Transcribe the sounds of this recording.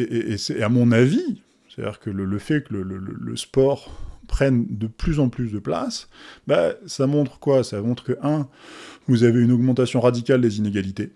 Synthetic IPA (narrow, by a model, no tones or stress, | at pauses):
eʔeʔesɛamɔ̃navi | st̪a̰d̪ḭʁkələləfɛkələlələ̰lə̰spɔʁpχɛnd̪əplyzɑ̃plys̬d̪əpla̰sbasamɔ̃t̪χəkwasamɔ̃t̪χəkəʔɛ̃vuzaveynɔɡmɑ̃t̪asjɔ̃ʁad̪ikʲald̪ezineɡʲalit̪e